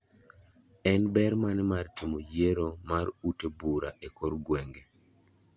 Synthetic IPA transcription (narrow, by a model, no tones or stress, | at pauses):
ɛnbɛɾmanemartimojeɾomaɾutebuɾa̰ʔekʰoɾɡweŋɡe